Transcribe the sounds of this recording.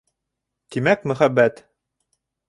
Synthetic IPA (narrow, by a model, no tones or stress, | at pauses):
t̪imækmɵ̆χæbːæt̪